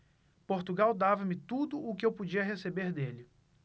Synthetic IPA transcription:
poɾt̪uɡawd̪avɐmɪt̪ud̪ʊʔʊkɪewpod͡ʒiɐɦesebeɾd̪elɪ

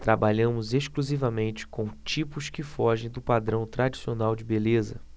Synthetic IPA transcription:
t̪ɾabaʎɐ̃mʊzeʃkluzivɐmẽnt͡ʃɪ̥kõw̃t͡ʃipʊskɪfɔʒẽj̃d̪ʊpad̪ɾɐ̃w̃t̪ɾad͡ʒisionawd͡ʒɪbelezɐ̰

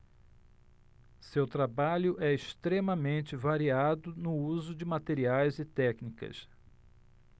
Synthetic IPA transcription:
sewt̪ɾabaʎʊʔɛɪʃt̪ɾẽmɐmẽnt͡ʃɪvaɾiad̪ʊnʊuzʊd͡ʒɪmat̪eɾiajzɪt̪ɛknikɐ̰s

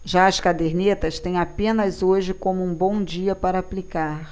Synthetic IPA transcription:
ʒaɐskad̪eɾnet̪ɐst̪ẽj̃apẽnɐzoʒɪkõmʊũbõw̃d͡ʒiɐpaɾɐːplikaɾ

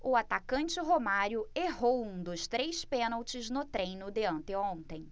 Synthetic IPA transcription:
ʊat̪akɐ̃nt͡ʃɪɦomaɾjʊeɦowũd̪ʊst̪ɾejspẽnawt͡ʃɪznʊt̪ɾẽj̃nʊd̪eɐ̃nt̪ɪõnt̪ẽj̃

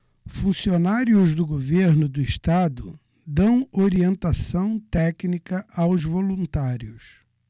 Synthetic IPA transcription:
fũsionaɾiʊzd̪ʊɡoveɾnʊd̪ʊiʃt̪ad̪ʊ | d̪ɐ̃w̃oɾiẽnt̪asɐ̃w̃t̪ɛknikɐʔawzvolũnt̪aɾiʊs

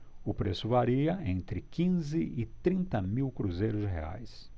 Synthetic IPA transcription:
ʊpɾesʊvaɾiɐẽnt̪ɾɪkĩzɪʔɪt̪ɾĩnt̪ɐmiwkɾuzejɾʊzd͡ʒɪɦḛa̰js

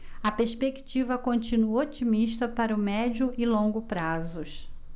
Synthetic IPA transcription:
ɐpeɾspekt͡ʃivɐkõnt͡ʃĩnuɐot͡ʃimiʃt̪ɐpaɾɐʊmɛd͡ʒʊʔɪlõɡʊpɾazʊʃ

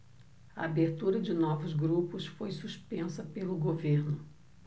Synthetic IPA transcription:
ɐabeɾt̪uɾɐd͡ʒɪnɔvʊzɡɾupʊsfojsuʃpẽsɐpelʊɡoveɾnʊ

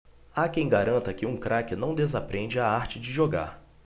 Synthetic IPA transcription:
akẽj̃ɡaɾɐ̃nt̪ɐkɪũkɾakɪnɐ̃w̃d̪ezapɾẽnd͡ʒɪaaɾt͡ʃɪd͡ʒɪʒoɡa̰ɾ

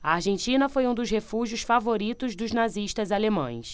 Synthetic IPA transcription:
ɐaɾʒẽnt͡ʃĩnɐfojũd̪ʊshefuʒjʊsfavoɾit̪ʊzd̪ʊznaziʃt̪ɐzalemɐ̰̃j̃s

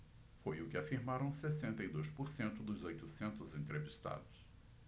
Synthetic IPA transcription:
fojʊkɪafiɾmaɾɐ̃w̃sesẽnt̪ɐjd̪ojspoɾsẽnt̪ʊd̪ʊzojt̪ʊsẽnt̪ʊzẽnt̪ɾevist̪a̰d̪ʊs

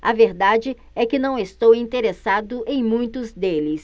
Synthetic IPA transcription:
ɐveɾd̪ad͡ʒɪ | ɛkɪnɐ̃w̃est̪owĩt̪eɾesad̪ʊʔẽj̃mũj̃t̪ʊzd̪elɪs

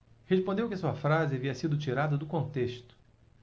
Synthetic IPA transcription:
heʃpõnd̪ewkɪɐsuɐfɾazɪaviɐsid̪ʊt͡ʃiɾad̪ɐd̪ʊkõnt̪eʃt̪ʊ̥

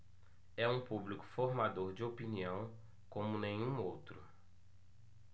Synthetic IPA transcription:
ɛũpublikʊ̥foɾmad̪oɾd͡ʒɪopiniɐ̃w̃ | kõmʊnẽj̃ũowt̪ɾʊ

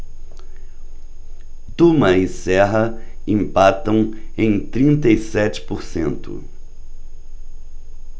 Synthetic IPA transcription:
t̪umɐisɛɦɐ | ĩmpat̪ɐ̃w̃ẽj̃t̪ɾĩnt̪ɐisɛt͡ʃɪ̥poɾsḛ̃nt̪ʊ̰

